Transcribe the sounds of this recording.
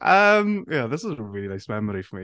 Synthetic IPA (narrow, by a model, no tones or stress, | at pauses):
ʔʌmjæðɪsʌzəəɹɪlˠinaɪsmɛməɾifəmi